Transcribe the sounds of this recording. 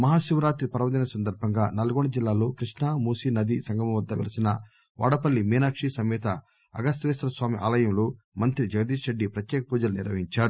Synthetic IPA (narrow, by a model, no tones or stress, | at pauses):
mɐɦaːʃiʋɾaːt̪ɾipɐɾɐʋɐd̪inɐsɐnd̪ɐɾbʱɐŋɡaːnɐlɐɡoɳɖɐd͡ʒilːaːlo̞ːkɾiʂɳaːmuːsinɐd̪isɐŋɡɐmɐʋɐd̪ːɐʋḭlɐsinɐ | ʋa̰ːɽɐpɐlːimiːnaːkʂisɐmɛːt̪ɐ | ɐ̰ɡɐst̪ʋeːsɾɐsʋaːmiʔa̰ːlɐjɐmloː | mɐnt̪ɾid͡ʒɐɡɐd̪iːʃɾeɖːipɾɐt̪jɛːkɐpuːd͡ʒɐluniɾʋɐɦiɲt͡ʃaːɾu